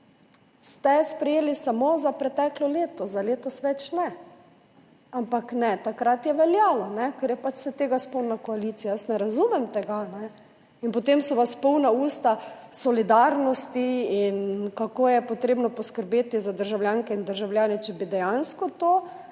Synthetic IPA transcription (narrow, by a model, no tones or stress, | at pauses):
st̪ɛspɾɛjeːlisamozapɾɛt̪ɛklɔleːt̪ɔzaleːt̪ɔsʋɛt͡ʃnɛ | ampaknɛt̪akɾat̪jɛʋɛljaːlɔnɛkɛɾjɛpat͡ʃsɛt̪eːɡaspɔwnakɔalit̪sijajəsnɛɾazuːmɛmt̪ɛɡanɛ | inpɔt̪emsɔʋaspɔwnauːst̪a | sɔlid̪aɾnɔst̪iinkakoːjɛpɔt̪ɾeːbnɔpɔskəɾbeːt̪izad̪əɾʒawljaŋkɛind̪əɾʒawljaːnɛt͡ʃɛbid̪ɛjanskɔt̪o